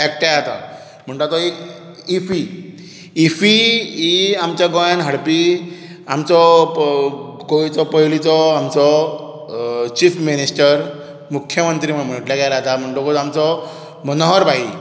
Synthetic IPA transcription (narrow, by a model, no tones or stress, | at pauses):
ɛk̚ʈaat̪a | m̤əɳʈ̪ɔt̪ɔek | ifiː | fiiamt͡ɕjaɡɔjanɦəɽpi | amt͡sɔ | ɡɔit͡sɔpəɦilit͡sɔamt͡sɔ | t͡ɕifminisʈəɾ | mukʰːjəmənt̪ɾimm̤əʈljaɡaɾat̪am̤əɳʈ̪ɔkot̪amt͡sɔ | mənɦɔɾbʱai